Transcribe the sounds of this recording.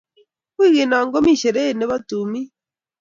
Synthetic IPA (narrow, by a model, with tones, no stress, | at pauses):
kwi˦˨ɣe˨na˨ŋɡo˦mi˦˨ʃe˨ɾe˦˨ne˦βa˦tu˨mi˦